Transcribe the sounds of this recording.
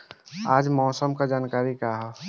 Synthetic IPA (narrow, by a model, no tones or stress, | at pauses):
aːd͡ʒmɔːsəmkad͡ʒaːnkaːɾikaɦɛ